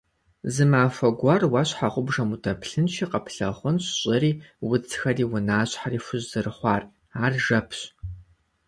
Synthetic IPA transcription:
zɨmaːfɐɡʷɐrwaɕħaʁʷʊbʐɐmutʰɐpʰɬɨnʃiːqɐpʰɬɐ̰χʷʊnɕɕʼɪriːwʊt͡sʰxɐriːwʊnaːɕħariːfʊʑzɨrɨχʷɑːr | aːrʒɐpʰɕ

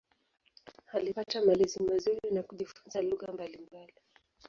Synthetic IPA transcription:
halipatamalizimazuɾinakuʄifunzaluɣambalimbali

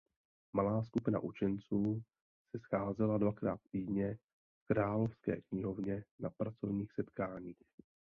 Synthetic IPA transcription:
malaːskupɪna̰ʔut͡ʃɛnt͡suː | sɛsxaːzɛladvakɾaːt̪t̪iːdɲɛ | fkɾaːlofskɛ̰ːkɲɪɦovɲɛnapɾat͡so̞vɲiːxsɛt̪kaːɲiːx

